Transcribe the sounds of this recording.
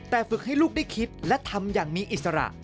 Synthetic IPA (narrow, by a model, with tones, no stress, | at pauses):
t̪ɛː˨˩fɯ˨˩k̚ha˥˩jluː˥˩k̚da˥˩jkʰi˦˥t̪̚lɛ˦˥t̪ʰa˧mjaː˨˩ŋmiː˧ʔi˨˩sa˧ɾa̰˨˩ʔ